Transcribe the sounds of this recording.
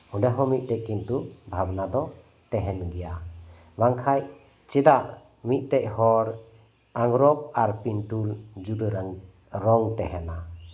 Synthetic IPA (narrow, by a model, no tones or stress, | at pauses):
ɔɖaɦɔ̃mit̪̚ˀt̪ɛʔ̚kːint̪ubʱabnad̪ɔ | t̪ɛɦɛnɡɛja | baŋkʰaj | t͡ʃɛd̪aʔ | mit̪̚ˀt̪ɛʔ̚hɔɾ | aŋɡɾɔp̚aɾpinʈuld͡ʒud̪əɾ | ɾɔŋt̪ɛɦɛna